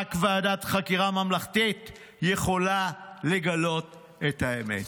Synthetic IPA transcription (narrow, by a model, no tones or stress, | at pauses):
kveaːdatχakiʁamamlaχtit | jeχo̞lale̞ɡalo̞t | ethaemḛt